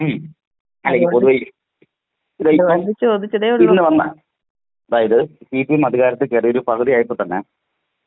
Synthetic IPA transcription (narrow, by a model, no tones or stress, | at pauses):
m | ɐlːeŋɡipoðuʋɐj | id̪ɐjit͡ɕːoːd̪it͡ɕːɐðeːoɭiɭnːɨʋɐnːɐ | ɐd̪aːjɐðɨsiːpimɐd̪ʱiɣaːɾɐt̪ːɨkerijoɾupɐkʰɨðijaːjipːot̪ːɐnːe